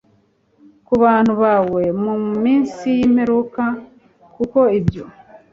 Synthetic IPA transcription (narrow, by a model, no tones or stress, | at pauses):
kuβaːn̥huβaːwe̞mumiːnsijim̥he̞ɾuka | kuko̞ibjo